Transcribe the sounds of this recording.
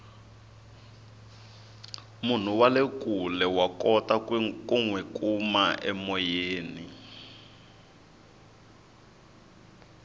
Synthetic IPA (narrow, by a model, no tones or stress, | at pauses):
mun̤uwalekulɛwakɔtakwikuŋwɛkʼumaʔɛ̰mɔjeːni